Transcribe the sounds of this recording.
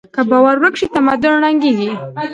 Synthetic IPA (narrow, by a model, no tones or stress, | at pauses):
kabawaɾwəkʂit̪amad̪ʊnɽaŋɡiɡ̪i